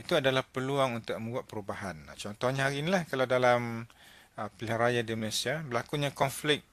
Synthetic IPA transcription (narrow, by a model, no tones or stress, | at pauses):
it̪uadalahpəluaŋunt̪ʊk̚mə̃mbuat̪̚pəɾubaɦant͡ʃɔnt̪ɔhɲaaɾinilahkalawdalam | pilɪharajadiməlasiabəlakuɲakɔnflɪk̚